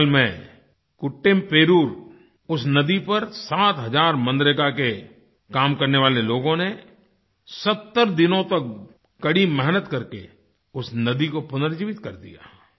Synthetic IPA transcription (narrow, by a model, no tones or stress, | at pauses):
lmẽ | kʊʈːɪmpeːɾuːɾ | ʊsnɐd̪ipɐɾsaːt̪ɦɐzaːɾmə̃nd̪ɾekake | kaːmkɐɾneʋaːleloːɡõne | sɐt̪ːəɾd̪ɪnõt̪ɐk̚ | kɐɽimɛɦnət̪kɐɾkḛ | ʊsnɐd̪ikopʊnəɾd͡ʒiːʋɪt̪kɐɾd̪ḭja̰ː